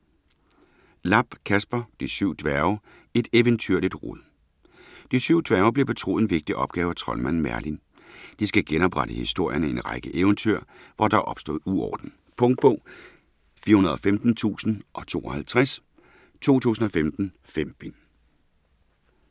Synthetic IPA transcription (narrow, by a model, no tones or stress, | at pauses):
lɑ̈b̥kʰæsb̥ɐd̥isyʊ̰d̥ʋæɐʊ | e̝d̥eʋənt͡sʰyɐ̰lid̥ʁoðˠ | d̥isyʊ̰d̥ʋæɐʊb̥le̝b̥e̝t͡sʰʁo̰ːð̩ˠenʋe̝ɡ̥̚d̥iʔɒ̽b̥̚ɡ̥ɛːʊæt͡sʰʁɒ̽lmæn̰mæɐlin | d̥isɡ̥æɡ̥enɒ̽b̥ʁäɾ̥əhisd̥o̝ɐ̰jɐnəe̝nʁɑ̈ɪɡ̥əʔeʊnt͡sʰyɐ̰ʋɒdɑ̈ʔɒ̽b̥sd̥o̝̰ð̰ˠuɒ̰ːd̥n̩ | pʰɔ̽ŋd̥̚b̥ɔ̰ː | fiːɐhunɐð̩ˠɒfemd̥n̩t͡sʰṵːsn̩ʔɒ̽t͡sʰo̝̰ːɒhælt͡sʰʁas | t͡sʰo̝̰ːt͡sʰṵːsn̩ɒ̽femd̥n̩femd̥n